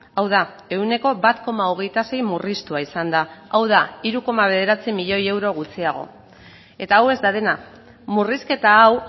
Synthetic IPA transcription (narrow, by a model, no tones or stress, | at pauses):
awða | e̞une̞ko̞βat̪ko̞maoɣ̞e̞jt̪ase̞jmurist̪uaisand̪aawð̞aiɾuko̞maβ̞e̞ð̞e̞ɾat͡simiʎo̞je̞wɾo̞ɣ̞ut͡siaɣ̞o̞̰ | e̞t̪aːwe̞zd̪aðe̞na | muriske̞t̪aːw